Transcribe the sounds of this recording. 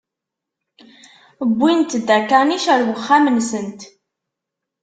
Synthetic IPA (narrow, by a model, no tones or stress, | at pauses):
bʷːint̪d̪ækæniʃæɾwəχːamənsənt̪